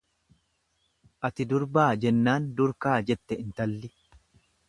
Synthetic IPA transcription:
ʔɐt̪ɪd̪ʊɾbaːd͡ʒɛnːaːnd̪ʊɾkaːd͡ʒɛt̪ːɛɪnt̪ɐlːɪ

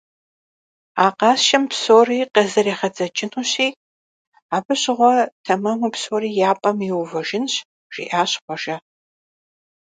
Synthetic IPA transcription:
aːqɑːsʃɐmpsoːriːqɐzɐreːχɐd͡zʼɐt͡ʃʼɪnuɕiː | aːbɨɕɪʁʷɔtʰɐmɐmupsoːriːjaːpʼɐmɪwʊvɐʒɪnɕ | ʒ̥ḭʔaːɕqʷɔʒɐ

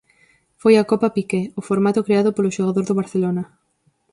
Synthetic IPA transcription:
fojakopapikɛʊfoɾmat̪ʊkɾeaðʊpoloʃoɣaðoɾðʊβaɾθelonɐ

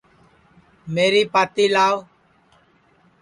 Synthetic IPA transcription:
meːɾiːpaːt̪iːlaːo

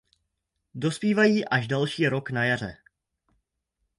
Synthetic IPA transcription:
do̞spiːvajiːʔaʒdalʃiːɾo̞knajar̝ɛ̰

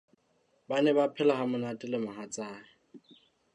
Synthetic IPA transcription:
banɛbapʰɛlahamʊnatʼɪlɪmaɦat͡sʼaːɪ

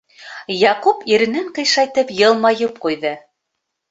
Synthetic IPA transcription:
jɑqupiɾɘ̆nɘɴqɤ̆jʃɑjt̪ɤpjɤ̆lˠmɑjɤp̚qujðɤ

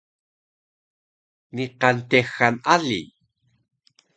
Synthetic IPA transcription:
niqɑnt̪exːanʔalḭ

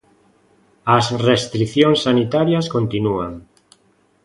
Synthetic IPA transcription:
asrest̪ɾiθjoŋsːanit̪aɾjaskont̪inuaŋ

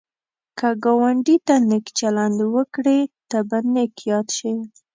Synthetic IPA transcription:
kaɡawaɳɖit̪anekt͡ʃaland̪wəkɽet̪abanekjɑd̪ʃe

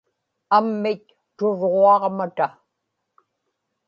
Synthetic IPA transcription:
amːɪk | t̪ʊɻʁoɑʁmat̪a

